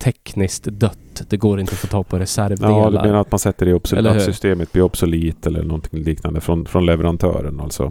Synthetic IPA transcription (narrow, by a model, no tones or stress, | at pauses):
t̪ʰɛknɪskt̪d̪œt̪ːd̪̥ɛɡoːɾɪnt̪əfoːt̪ʰɑːɡ̚pʰɔɾɛsæɾvɑːd̪ɵmeːnaɾat̪mansɛt̪ːəɖɛɔbssʏst̪eːmət̪̚b̥lɪɾɔbsɔliːt̪ɛlːə̰ɳɔnt̪ʰɪŋliːknand̪əfɾɔnfɾɔnlɛvɛɾant̪ʰœ̰ːɾəna̰lt̪sɔ̰